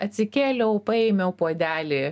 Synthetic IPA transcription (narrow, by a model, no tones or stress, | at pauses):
ɐt̪ʲsʲɪkʲeːlʲɛʊpɐɛɪmʲɛʊpoɔd̪ʲæːlʲɪː